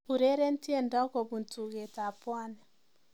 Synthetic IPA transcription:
u˨ɾe˦ɾe˦n˦ti˦e˦˨ndɔ˦ko˨bu˨ntu˨ɣe˨ta˨pwa˦nɛ˨

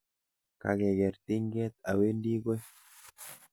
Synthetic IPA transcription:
ka̰˨ɣɡe˨ɡe˨ɾt̪i˦ŋɡɛ˦t̪a˨we˦ndi˦ɡwe˦

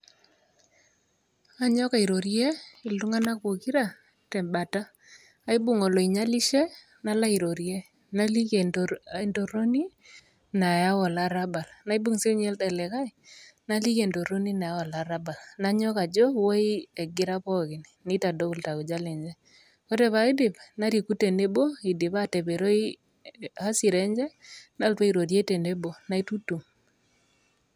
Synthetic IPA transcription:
a˦ɲɔ˦ka˨i˨ɾo˨ɾje˦i˨lu˦ŋa˦na˦kbo˨ki˦ɾa˦ | tɛ˨mba˨ta˦ | a˦i˦bu˨ŋɔ˨lɔ˨i˨ɲa˦li˦ʃe˦ | na˦la˦i˨ɾo˨ɾje˦ | na˦li˦ke˨ndo˨ɾo˦ni˦ | na˨ja˦wɔ˨la˦ɾa˦ba˨lna˦i˦bu˦ŋse˦ɲɛ˦lta˨lɛ˨ka˦i˨na˦li˦ke˨ndo˨ɾo˦ni˦na˨ja˦wɔ˨la˨ɾa˦ba˨lna˦ɲɔ˦ka˨d͡ʒɔ˦wo˦i˦ɛ˨ɡɪ˦ɾa˦pɔ˦kɪ˨nni˦ta˨do˦ku˨lta˨ku˨d͡ʒa˦le˨ɲd͡ʒɛ˦ | ko˦te˦˨βa˨i˦dɪ˨pna˦ɾi˨ku˦te˨ne˦bo˦i˨dɪ˨ba˦te˨be˨ɾo˦i˦ | a˦si˨ɾɛ˦ɲd͡ʒɛ˦na˦lpa˦i˨ɾo˨ɾje˦te˨ne˦bo˨na˨˦i˦tu˦tu˨m

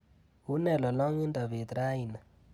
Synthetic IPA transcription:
ɦu˦nɛ˨lɔ˨lɔ˦ŋi˦nda˨βe˨t̪ɾa˦i˨na˨

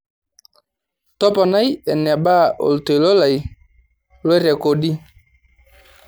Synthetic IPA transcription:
tɔ˦pɔ˨na˦jɛ˨nɛ˨ɓa˦ʔo̰˨lto˨jlo˦la˨j | lo˦ɾɛ˨ko˨ɗi˦

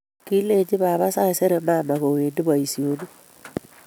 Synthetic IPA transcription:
ki˦le˦d͡ʒi˦βa˨βa˦sa˦˨se˦ɾe˨ma˦˨ma˨ɣo˨we˨ndi˦ba˨i˨sjo˦ni˦

